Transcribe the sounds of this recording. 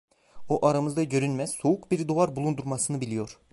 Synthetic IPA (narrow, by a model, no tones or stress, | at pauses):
oʔaɾamɯzd̪aɟø̞ɾynmɛz̥soukbiɾd̪oaɾbulˠund̪uɾmɑsɯnɯbilʲijo̞ɾ